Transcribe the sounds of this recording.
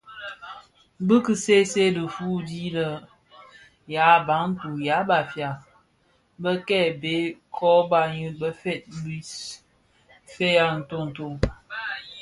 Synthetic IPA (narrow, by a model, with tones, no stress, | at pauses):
bɨ˦kɨ˦se˦se˦lə˨fu˦di˦lə˦ | ja˨˦ba˨˦ŋn̩˦tu˨ja˨˦ba˨fja˨ | bə˦kɛ˦˨be˨˦kʰɔ˦ba˨ɲɨ˦bə˦fe˦˨t̚bi˦ | fe˦ja˦n̩˨to˦n̩˨to˦˨